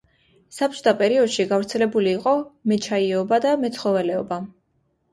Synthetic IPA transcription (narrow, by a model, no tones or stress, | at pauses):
sap̚t͡ʃʰʼt̪apʼɛɾiɔd̪̥ʃiɡavɾt̪sʰɛlɛbuliːqʼɔmɛt͡ʃʰaiɔbad̪amɛt̪sʰχɔvɛlɛɔba